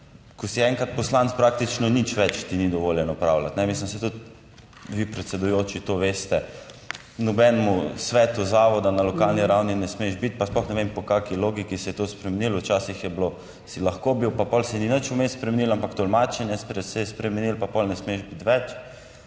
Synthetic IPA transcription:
kɔsiɛ̃ŋkɾat̪̚pɔslant̪spɾaːk̚t̪it͡ʃnɔnit͡ʃʋɛt͡ʃt̪inid̪ɔʋoːljɛnɔpɾawlat̪nɛmislimsɛt̪ut̪ | ʋipɾɛt̪sɛd̪ujoːt͡ʃit̪oʋeːst̪ɛ | nɔbɛnmusʋɛːt̪uzaːʋɔd̪analɔkalniɾawninɛsmeʒbit̪̚pasplɔxnɛʋempɔkaːkiloːɡikisɛjɛt̪ospɾɛmɛnilʊwt͡ʃaːsixjɛblo | silɐxkobiwpapɔlsɛninət͡ʃumespɾɛmɛnilampakt̪ɔlmaːt͡ʃɛnjɛspɾɛsɛjɛspɾɛmɛnilpapɔlnɛsmeʃbit̪ʋɛt͡ʃ

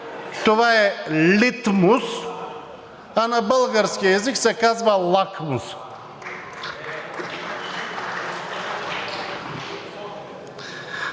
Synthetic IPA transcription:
t̪ovaelit̪mus | anabəlˠɡaɾskieziksɛkazbalˠakʰmus

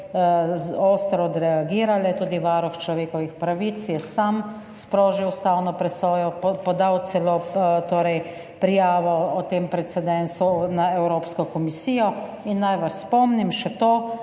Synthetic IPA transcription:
oːst̪ɾɔd̪ɾɛaɡiːɾalɛt̪uːd̪iʋaːɾuxt͡ʃlɔʋeːkɔʋixpɾaʋit̪sjɛsam | spɾoːʒiwst̪awnɔpɾɛsɔːjɔpɔd̪awt̪sɛlot̪oːɾɛj | pɾijaːʋɔɔt̪eːmpɾɛt̪sɛd̪ɛnsunaɛwɾoːpskɔkɔmisiːjɔ | inːajʋaspɔmnimʃɛt̪oː

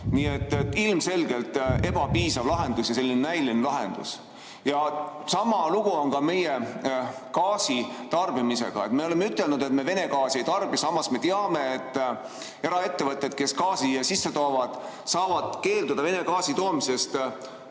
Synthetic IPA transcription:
niːet̪ːet̪ːˑilmse̞lɡelt̪e̞b̥ɑpiːsɑvlɑɦe̞nd̪̥usjɑse̞lʲːinenæjlinelɑɦe̞̰nd̪̥ṵs | jɑsɑmɑluɡ̥uo̞nkɑme̞je | kɑːsit̪ɑrbimise̞̰ɡ̥ɑ̰et̪me̞o̞le̞me̞yt̪ːˑelnud̪e̞t̪̚me̞ve̞ne̞kɑːsejt̪ɑrb̥isɑmːɑsme̞t̪eɑme̞ːt̪ːˑ | e̞ɾɑe̞t̪ːe̞vɤt̪ˑːe̞d̪̥̚ke̞skɑːsiɑsisːe̞t̪o̞ːvɑd̪̥ | sɑːvɑd̪̥ke̞ːld̪ud̪̥ɑve̞ne̞kɑːsit̪o̞ːmise̞st̪

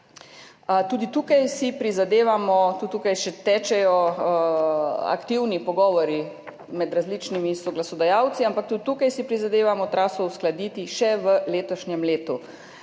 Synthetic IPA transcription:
t̪uːd̪it̪uːkajsipɾizad̪eːʋamɔt̪uːt̪uːkajʃɛt̪ɛt͡ʃɛjɔ | a̰kt̪iwnipɔɡɔːʋɔɾi | mɛd̪ɾazlit͡ʃnimisɔɡlasɔd̪ajawt̪siampak̚t̪ut̪ukajsipɾizad̪eːʋamɔt̪ɾaːsɔwsklad̪iːt̪iʃɛʋəleːt̪ɔʃɲɛmleːt̪u

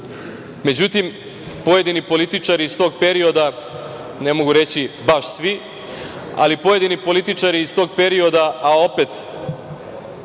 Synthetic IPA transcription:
me̞d͡ʑut̪im | po̞je̞d̪inipo̞lit̪it͡ʃaɾiːst̪o̞ɡ̚pe̞ɾio̞d̪a | ne̞mo̞ɡuɾe̞t͡ɕibaʃsʋi | a̰lipojed̪inipo̞lit̪it͡ʃaɾiːst̪o̞ːɡ̚peɾio̞d̪aao̞pet̪

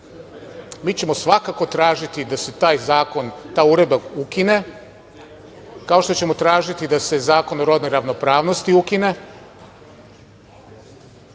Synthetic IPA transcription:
miːt͡ɕe̞mo̞sʋakako̞t̪ɾaːʒit̪id̪ase̞t̪aːjzaːko̞nt̪aːjuɾe̞d̪bakukine̞ | kaoʃt̪ot͡ɕe̞mo̞t̪ɾaːʒit̪id̪ase̞zaːko̞noɾo̞d̪nojɾaʋno̞pɾaːʋnost̪iukine̞

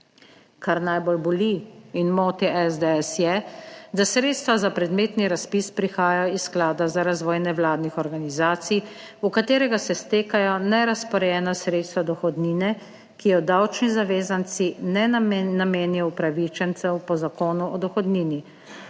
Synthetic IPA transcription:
kaɾnajbolbɔliinmoːt̪iʔɛzd̪eɛsjɛd̪asɾeːt̪st̪ʋazapɾɛd̪meːt̪niɾaspispɾixaːjaisːklaːd̪azaɾazʋɔːjnɛʋlaːd̪nixɔɾɡanizaːt̪sij | ukat̪eːɾɛɡasɛst̪eːkajɔnɛɾaspɔɾɛjɛːnasɾeːt̪st̪ʋad̪ɔxɔd̪niːnɛ | kijɔd̪awt͡ʃnizaʋeːzant̪sinɛnameːnijɔwpɾaʋit͡ʃɛnt̪sɛwpɔzakoːnuɔd̪ɔxɔd̪niːni

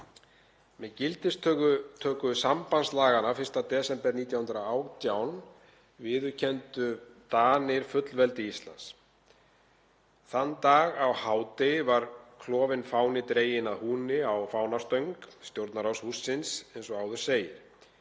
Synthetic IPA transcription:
mɛðcɪlt̪ɪst̪t̪ʰœːkʏsampanslaːɣanafɪr̥st̪at̪ɛːsɛmpɛɾniːt̪jawhʏnt̪ɾaaːwt̪jawn | vɪːðʏ̥cʰɛnt̪ʏt̪aːnɪɾ̥fʏt̪lvɛlt̪ɪist̪la̰ns | θanːt̪aːɣawhaːwt̪ɪvaɾkʰlɔːvɪnfaːwnɪt̪ɾeːjɪnaðhuːnɪawfaːwnast̪œɥŋkst̪jowɾt̪naɾawshusːɪnsejnsɔaːwðʏ̥seːjɪɾ̥

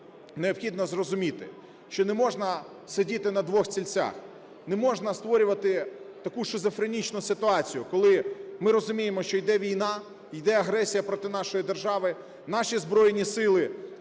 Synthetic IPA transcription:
neɔpxʲid̪nɔzrɔzʊmʲit̪ɪ̰ | ʃt͡ʃɔnɛmɔʒnɐ | sedʲit̪ɪnɐd̪ʋɔxt͡sʲilʲt͡sʲa̰x | nɛmɔʒnɐst̪ʋɔɾʲʊʋɐt̪ɪt̪ɐkuʃɪzɔfɾenʲit͡ʃnʊsɪt̪ʊɑt͡sʲijʊkɔlˠɪmɪɾɔzʊmʲijemɔʃt͡ʃɔjd̪ɛʋʲijnɑ | jd̪ɛɐɦɾɛsʲijɐpɾɔt̪ɪnɑʃɔjid̪erʒɑʋɪ | nɑʃʲizbɾɔjenʲisɪlˠɪ

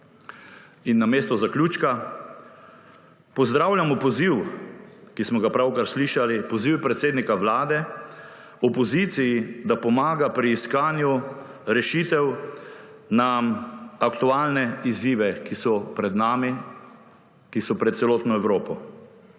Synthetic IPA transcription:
inːameːst̪ɔzaklʲuːt͡ʃka | pɔzd̪ɾawlʲjamɔpɔziw | kismɔɡapɾawkaɾsliːʃalipɔziwpɾɛt̪seːd̪nikaʋlaːd̪ɛ | ɔpɔzit̪sijid̪apɔmaːɡapɾiːskaːnju | ɾɛʃit̪ɛw | namakt̪ualnɛiziːʋɛkisɔpɾɛd̪nami | kisɔpɾɛt̪t̪sɛloːt̪nɔɛwɾoːpɔ

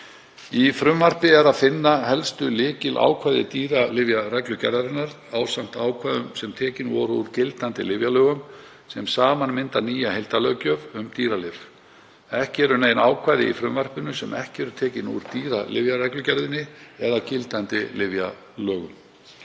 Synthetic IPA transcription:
ifɾʏmvar̥pɪɛɾaðfɪnːaɦɛlst̪ʏlɪːcɪlʔa̰ːwkʰvajðɪt̪iːɾalɪvjarɛklʏcɛɾðaɾɪnːaɾ | aːwsam̥t̪aːwkʰvaːjðʏmsɛmt̪ʰɛːcɪnvɔɾuɾ̥cɪlt̪ant̪ɪlɪvjalœːɣʏm | sɛmsaːmanmɪnt̪aniːjahejlt̪alœːcœvʏmt̪iːɾalɪv | ɛhcɪɛɾʏneːjnaːwkʰvajðɪ̰ifɾʏmvar̥pɪnʏsɛmʔɛ̰hcɪɛɾʏɾt̪ʰɛːcɪnṵɾ̥t̪iːɾalɪ̰vjaɾɛklʏcɛɾðɪnːɪɛðacɪlt̪ant̪ɪ̰lɪvja | lœːɣʏm

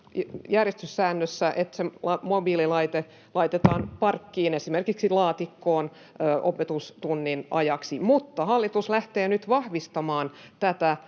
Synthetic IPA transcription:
jærjest̪ysːæːnːøsːæʔet̪seɑmobiːlilɑit̪e | lɑit̪et̪ɑːnpɑrkːiːnesimerkiksilɑːt̪ikːoːn | øʔopet̪ust̪unːinʔɑ̰jɑksimut̪ːɑhɑlːit̪uslæht̪eːnyt̪ʋɑhʋist̪ɑmɑːnt̪æt̪æ

